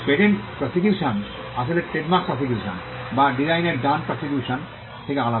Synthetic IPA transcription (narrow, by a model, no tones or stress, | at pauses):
peʈenpɾɔsik̬juʃan | aʃʰoleʈeɖmakspɾɔsik̬juʃə̰nbaɖizajneɾɖanpɾɔsik̬juʃən | t̪ʰekeala